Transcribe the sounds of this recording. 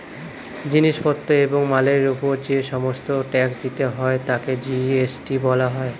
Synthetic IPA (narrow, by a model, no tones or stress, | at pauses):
d͡ʑiniʃpɔt̪ːoeboŋmaleɾupoɾd͡ʑeʃɔmost̪oʈɛksd͡ʑit̪eɦɔet̪aked͡ʑiesʈibɔlaɦɔe